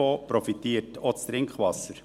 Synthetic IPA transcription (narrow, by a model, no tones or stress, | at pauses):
oːpɾɔfitiːətʰot͡st̪ɾɪŋkχʋɑsəɾ